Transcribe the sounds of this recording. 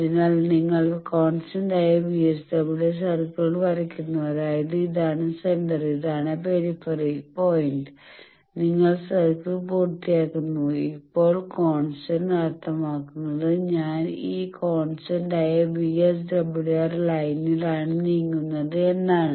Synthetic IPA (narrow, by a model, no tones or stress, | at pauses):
ɐðinaːlniŋːɐɭko̞ːɳsɐɳɖaːjɐbiesdrɐbiɽes̬ɐrkːɐɭʋɐɾɐkʲːunːuɐðaːjɐðɨiðaːɳɨseɳɖɐriðaːɳɨpeɾifɐripo̞ːjiɳɖɨ | niŋːɐɭsɐrkːɨpuːrt̪ːijaːkːunːuipːo̞ːɭkoːɳsɐnɐɾt̪ʰːɐmaːkːunːɐðɨɲaːniːkoːɳsɐnɖaːjɐbies̬dɐbiɽeɐrlɐjnilaːɳɨnijŋːunːɐðɨe̞nːaːɳɨ